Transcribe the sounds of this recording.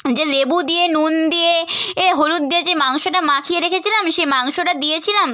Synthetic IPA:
d͡ʑelebud̪ienund̪ieeɦoɾut̪̚d̪ied͡ʑemaŋʃoʈamakʰijeɾekʰet͡ɕʰilamʃemaŋʃoʈad̪ijet͡ɕʰilam

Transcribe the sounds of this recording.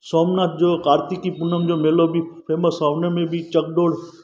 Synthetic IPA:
soːmnaːt̪̚ʰd͡ʒoːkaːɾt̪ikːipʊnəmd͡ʒoːmeːlobʱipʰeːməsaːʋnemẽbʱit͡ʃɐk̚ɖoːɽ

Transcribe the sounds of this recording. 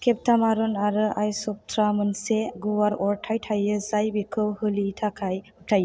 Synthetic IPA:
kʰep̚tʰamaɾɔnaɾɯʔajsɔp̚t̪ʰɾamɯnseɡuwaɾɔɾʈʰajtʰajɯzajbikʰɯwhɯlitʰakʰajɯʈʰaj

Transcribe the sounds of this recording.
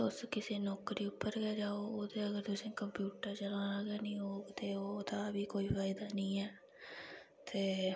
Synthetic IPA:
ʊskɪseːnɔːkɾiːʊpːəɾkɛːd͡ʒaːoːoːt̪eːəɡəɾt̪ʊsẽːkəmpjuːʈəɾt͡ʃəlãːnaɡɛːnĩːoːɡt̪eːoːt̪ãːbiːkoːiːfaːɪd̪aːnĩːɛː | t̪eː

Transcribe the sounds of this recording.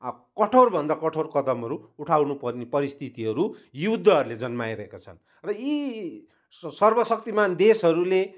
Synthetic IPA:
kʌʈʰorbʱʌnd̪akʌʈʰorkʌd̪ʌmɦʌɾuuʈʰawnupʌrnepʌɾist̪ʰit̪iɦʌɾujud̪ʱːʌʌɾuled͡zʌnmajɾʌɦekat͡sʰʌ̰n | rʌi | sʌrbʌsʌk̚t̪imand̪esɦʌɾule

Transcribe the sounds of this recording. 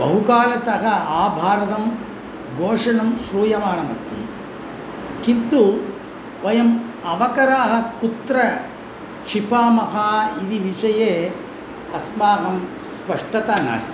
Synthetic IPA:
bɐɦukaːlɐt̪ɐɦɐaːbʱaːɾɐt̪ɐm | ɡoːʂɐnɐmʃɾuːjɐmaːnɐmɐ̰st̪ʰḭ | kint̪u | ʋɐjɐm | ɐʋɐkɐɾaːɦɐ̆kut̪ɾɐ | t͡ʃʰipaːmɐɦaːid̪iʋiʂɐjeː | ɐsmaːɦɐm | spɐʂʈɐt̪ɐna̰ːst̪i

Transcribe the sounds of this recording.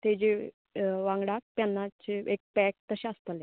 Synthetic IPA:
t̪ed͡ʑe | ʋãŋɡɽak̚pjanːat͡ɕeek̚pɛk̚t̪əɕẽəst̪əle

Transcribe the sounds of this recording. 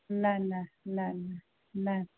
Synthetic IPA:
nananana | na

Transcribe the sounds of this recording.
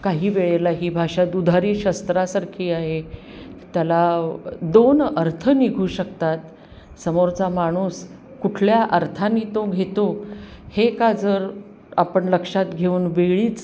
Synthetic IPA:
kaɦiːʋeɭelaɦiːbʱaɕat̪ud̪ʱaɾiːɕəst̪ɾasaɾkʰiːaɦe | t̪jalad̪onəɾt̪ʰəniɡʱuːɕəkt̪at̪ | səmoɾt͡samaɽ̃uːs | kuʈʰljaʔəɾt̪ʰanːiːt̪oɡʱet̪o | hekad͡zəɾ | a̰pəɳləkʂat̪ɡʱeuːnʋeɭiːt͡s

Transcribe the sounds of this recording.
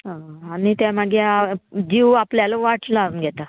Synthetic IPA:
ɦãanit̪jamaɡed͡ʑiʋapljalaʋaʈlanɡʱɛt̪a

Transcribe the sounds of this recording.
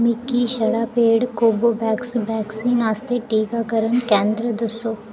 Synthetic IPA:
mɪkːiːʃəɽaːpeːɽkoːboːbɛːksbɛːksiːnaːst̪eʈiːkaːkəɾənkɛ̃ːnd̪ɾəd̪əsoː

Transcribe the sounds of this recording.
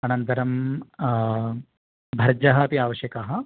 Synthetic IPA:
ɐnɐnt̪ɐɾɐm | bʱɐɾd͡ʒɐɦɐɐpiaːʋɐɕjɐkaɦɐ̆

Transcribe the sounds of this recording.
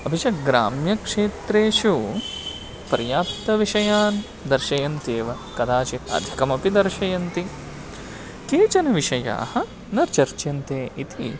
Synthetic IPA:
ɐbʱiʃɐɡɾa̰ːmjɐkʂeːt̪ɾeːʃu | pɐɾjaːpt̪ɐʋiʃɐjaːn | d̪ɐɾʃɐjɐnt̪eːʋɐ | kɐd̪aːt͡ʃit̪ɐ̰d̪ʱikɐmɐpid̪ɐɾʃɐjɐnt̪i | keːt͡ʃɐnɐʋiʂɐja̰ːhɐ̆ | nɐɾt͡ʃɐɾt͡ʃjɐnt̪eːʔit̪i

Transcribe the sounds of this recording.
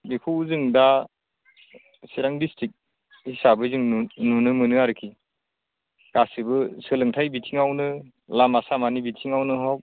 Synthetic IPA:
bipʰuwzɯŋda | siɾaŋdistʰɾik̚ | hisabɯzɯŋnunɯmɯnɯaɾɯkʰi | ɡ̥asɯbɯsɯlɯŋtʰajbitʰiŋawnɯ | lamasamanibitʰiŋawnɯɦaw̚

